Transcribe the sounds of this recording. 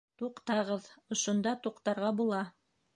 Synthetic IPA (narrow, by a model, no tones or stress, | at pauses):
t̪uqt̪ɑʁɤðŏʃŏnd̪ɑt̪uqt̪ɑɾʁɑbulˠɑ